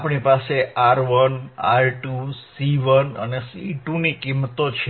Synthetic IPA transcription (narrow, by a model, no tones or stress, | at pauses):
pɳipaseaɾʋəna̰ɾʈusiʋənə̰nesiʈunikimːət̪ot͡ʃʰe